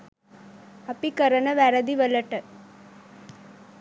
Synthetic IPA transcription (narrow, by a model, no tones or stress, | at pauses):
apikəɾənəʋæɾəd̪iʋələʈə